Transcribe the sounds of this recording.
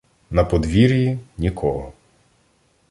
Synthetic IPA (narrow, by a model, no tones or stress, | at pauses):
nɐpɔd̪ʋʲiɾʲjinʲikʰɔɦɔ